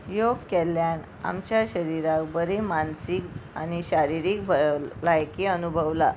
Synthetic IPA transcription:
joɡkɛljan | a̰mt͡ɕjaɕəɾiɾakbəɾemansika̰niɕaɾiɾik̚bʱəlajkiənubʱəʋla

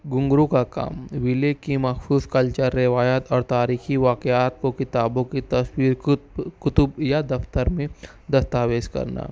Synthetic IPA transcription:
ɡʊ̃ŋɡɾukaka̰ːmʋɪlekimɐxsuːskɐlt͡ʃəɾːɛʋaːjət̪ɔːɾt̪aːɾiːxiʋaːkeaːt̪̚kokɪt̪aːbõkit̪ɐswiːɾkʊt̪ʊbjad̪ɐft̪əɾmẽ | d̪ɐst̪aːʋeːd͡ʒkɐ̰ɾna̰ː

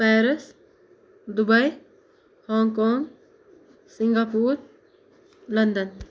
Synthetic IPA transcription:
pɛːɾɪs | d̪ʊbɐj | hɔːŋkoːŋɡ | sɪŋɡaːpuːɾ | lɐnd̪ən

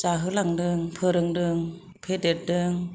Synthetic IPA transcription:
t͡ʃaɦɯlaŋdɯŋpʰɯɾɯŋdɯŋ | pʰedet̚dɯŋ

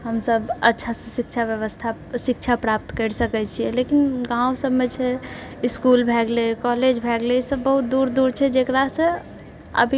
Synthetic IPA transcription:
ɦəmsəbətːʃʰasə̃sik̚t͡ʃʰabjəʋəst̪ʰasik̚t͡ʃʰapɾap̚t̪kəɾsəkɛt͡ʃʰijɛlekinɡãusəbmet͡ʃʰɛiskulbʱɛɡlekɔled͡ʒbʱɛɡleisəbːəɦut̪̚d̪uɾd̪uɾt͡ʃʰɛd͡ʒekɾasə̃ | ə̰bʱi

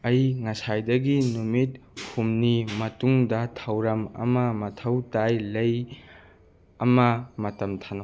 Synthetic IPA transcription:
ɐjŋɐsajdɐɡinumit̚humnimɐtuŋdɐtʰɐwɾɐmɐ̰mɐmɐtʰɐwtajlɐj | ɐmɐmɐtɐmtʰanɐ

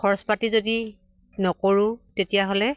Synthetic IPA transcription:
kʰɔɹɔspatizodi | nɔkoɹũtetijaɦolɛ

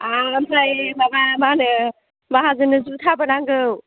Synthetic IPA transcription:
amsʰajbabamanɯ | baɦazɯnɯzut̪ʰabənaŋɡɯw

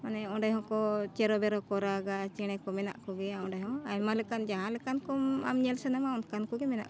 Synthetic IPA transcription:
manɛɔɖajɦɔ̃kɔt͡ʃɛɾɔbɛɾɔkɔɾaɡat͡ʃɛ̃ɛkɔmɛna̰ʔkɔɡɛaɔ̃ɖajɦɔ̃ajmalɛkand͡ʒaɦãlɛkankɔma̰mɲɛlsɛnamaɔnkankɔɡɛmɛna̰ʔkɔ

